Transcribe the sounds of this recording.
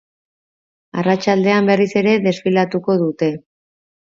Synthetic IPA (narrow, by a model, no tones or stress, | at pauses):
arat͡ʃald̪e̞ambe̞rise̞ɾe̞ðe̞sfilat̪uko̞ðut̪e̞